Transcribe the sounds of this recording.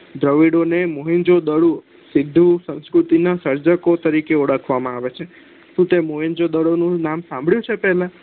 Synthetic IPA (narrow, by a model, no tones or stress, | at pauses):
d̪ɾəʋiɽonemoɦind͡ʒod̪əɽu | sid̪ʱːusə̃ñskɾut̪inasəɾd͡ʒəkot̪əɾikeuɽəkʰʋamãaʋet͡ʃʰe | t̪ũt̪emoɦend͡ʒod̪əɽonũnamsãmbʱɭjũt͡ʃʰepɛɦlã